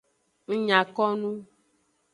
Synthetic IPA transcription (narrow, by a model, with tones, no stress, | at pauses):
ŋ̩˦ɲã˨kɔ˦nũ˦